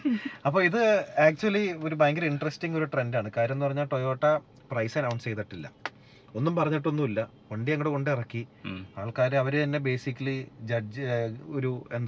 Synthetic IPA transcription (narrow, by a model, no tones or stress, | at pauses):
ɐpːo̞ːiðɨaːk̚t͡ɕuɐlio̞ɾubaːŋɡɐliɳɖrestiŋɡo̞ɾuʈrendaːɳɨkaːɾɐmenːupɐrɐɲːaːlʈojo̞ːʈːɐ | prɐjsɐnɐwɳɖst͡ɕejt̪ɐʈːilːɐ̰ | o̞nːumpɐrɐɲːiʈːo̞nːumilːɐ | kɐɳɖieŋːɐɽeko̞ɳɖirɐkːiaːɭkaːɾeɐʋɐɾet̪ɐnːe̞be̞ːsikʲːɐlid͡ʑɐd͡ʑoɾuend̪